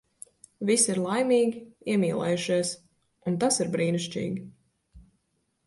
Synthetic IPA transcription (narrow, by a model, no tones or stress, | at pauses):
visiɾlˠajmiːɡʲiiɛmʲiːlˠɛ̰juʃiɛs | unt̪asiɾbɾiːniʃt͡ʃḭːɡʲi